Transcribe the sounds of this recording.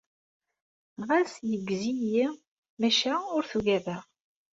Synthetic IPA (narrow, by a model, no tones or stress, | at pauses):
nʁasjəɡːziji | mæʃæʊɾθuʝævæ